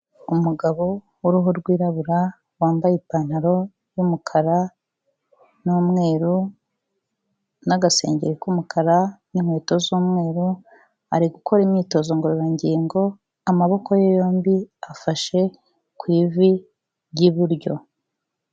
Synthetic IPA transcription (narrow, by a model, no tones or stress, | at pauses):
umuɡaβo̞ | wuɾuɦuɾɡwiːɾaβuɾa | waːmbajipaːn̥haɾo̞ | jumukʰaɾa | numŋe̞ːɾu | naɡase̞̰ːɲɟeɾekumukʰaɾanimheːto̞zuːmŋe̞ːɾu | a̰ɾiɡukʰo̞ɾimɲiːto̞zo̞ŋɡoɾoɾaɲɟiŋɡo̞ | amaβo̞ko̞jojo̞ːmbiafaʃe̞ | kwiːvi | jiβuɾɟo̞